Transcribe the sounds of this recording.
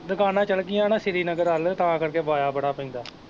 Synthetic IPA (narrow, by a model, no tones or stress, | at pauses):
d̪əkaːnãːt͡ʃəlkɪjãːnãːsɪɾiːnəɡəɾəlt̪ãːkəɾkeːʋaːjaːbəɽaːpəĩːnd̪aː